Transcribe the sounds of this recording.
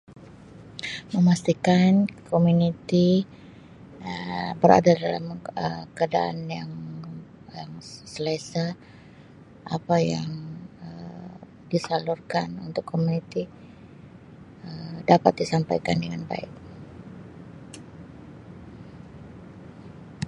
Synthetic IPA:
məmast̪ikankʰomunit̪i | əbəɾa̰dadala̰məkəadaʔa̰njaŋ | jaŋsəlesa | ʔapajaŋə | disalurkanṵnt̪ʊkʰːomunit̪i | ədapat̪̚disampajkandəŋanba̰ɪk̚

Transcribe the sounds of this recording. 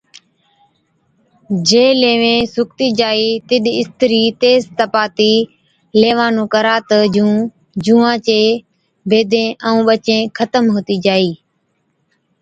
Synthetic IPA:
d͡ʒeːleːʋẽːsʊk̚t̪iːd͡ʒaːiːt̪ɪɗɪst̪əɾiːt̪eːzt̪əpaːt̪iː | leːʋaːnũːkəɾaːt̪əd͡ʒũː | d͡ʒũːãːt͡ʃeː | bʱeːd̪ʱẽːʔəũːɓət͡ʃẽːkʰət̪əmɦoːt̪iːd͡ʒaːiː

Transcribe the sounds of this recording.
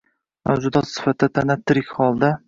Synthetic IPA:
ma̰wzʊd̪ɒt̪sɪ̥fat̪d̪at̪ʰanat̪ʰːɪɾɪkʲʰχɒlˠd̪a

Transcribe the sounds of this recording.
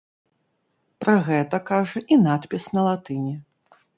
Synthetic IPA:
pɾʔaɣɛt̪ɐkaʐɐʔinat̪pʲisnɐlˠat̪ɨnʲɛ

